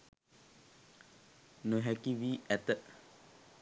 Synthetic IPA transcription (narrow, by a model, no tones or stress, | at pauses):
noɦɛkiʋiːɛt̪ə